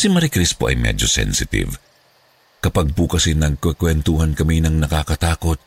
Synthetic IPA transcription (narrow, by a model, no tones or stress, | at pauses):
simɐɾikɾispoʔɐ̰jmɛ̰d͡ʒosɛ̰nsɪt̪ɪ̰v | kɐpaɡ̚pukɐsinɐɡ̚kɐkwɛnt̪uhɐnkɐminɐŋnɐkakɐt̪aːko̞t̪̚